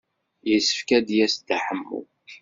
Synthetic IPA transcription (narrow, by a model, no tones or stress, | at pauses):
jəsə̥fkæd̪jæsd̪aħəmːṵ